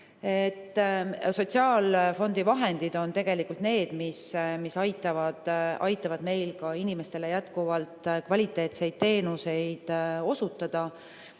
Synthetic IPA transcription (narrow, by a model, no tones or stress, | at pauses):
e̞t̪ːˑso̞t̪ʲsiɑːlfo̞nd̪̥ivɑɦe̞nd̪id̪o̞nt̪e̞ɡ̥e̞likːult̪ne̞ːd̪̥mismisɑjt̪ːˑɑvɑd̪̥ʔɑjt̪ːˑɑvɑd̪me̞jlkɑinime̞st̪e̞le̞jæt̪kuvɑlt̪kvɑlʲit̪ːˑe̞ːt̪se̞jd̪̥̚t̪e̞ːnuse̞jd̪̥o̞sut̪ːˑɑd̪̥ɑ